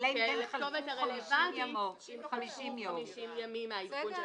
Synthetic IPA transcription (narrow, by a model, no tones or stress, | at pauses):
keliχtovetaʁelevanti | mmʃmamiʃimjamimeaikunʃ